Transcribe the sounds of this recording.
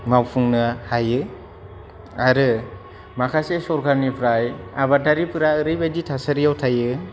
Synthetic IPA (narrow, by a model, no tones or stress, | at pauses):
mawpʰuŋnɯhajɯ | aɾɯ | makʰasesɔɾkʰaɾnipʰɾajaβataɾipʰɯɾaɯɾɯjbaditʰasaɾijawtʰajɯ